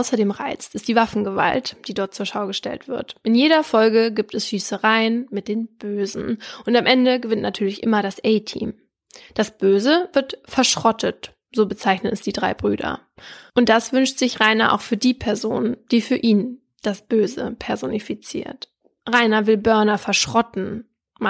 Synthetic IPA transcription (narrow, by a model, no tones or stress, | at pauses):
aʊsɐdeːmʁa̰ɪt͡stɪstd̥iːvafn̩ɡəva̰ltd̥iːdɔɐt̚t͡suːɐʃaʊɡəʃtɛ̰ltv̥ɪ̰ɐtʔɪnjeːɾɐfɔlɡəɡiːp̚tɛsʃyːsəʁaɪənmɪt̚d̥eːnb̥øːzn̩ʔʊntamʔɛndəɡəvɪntnatʰyːɐlɪçʔɪ̰mɐɾasʔɛɪtʰḭːm | d̥asb̥øːzəvɪɐtfɛɐʃʁ̥ɔtʰət | z̥oːbət͡saɪçnənɛsd̥iːdʁa̰ɪbʁyːdɐ̰ | ʔʊntd̥asv̥ʏnʃtz̥ɪçʁaɪnɐʔa̰ʊxfyːɐdiːpʰɛɐzoːnd̥iːfyːɐʔiːn | d̥asb̥øːzə̰pʰɛɐzonifit͡sḭːɐt | ʁaɪnɐvɪlbœɐnɐfɛɐʃʁ̥ɔtn̩ | m